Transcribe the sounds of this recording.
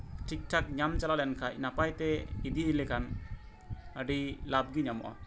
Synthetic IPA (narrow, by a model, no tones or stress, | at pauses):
ʈʰik̚ʈʰak̚ɲamt͡ʃalalɛnkʰaʔnapajt̪ɛid̪iilɛkʰan | əɖilab̚ɡiɲamɔ̰ʔa̰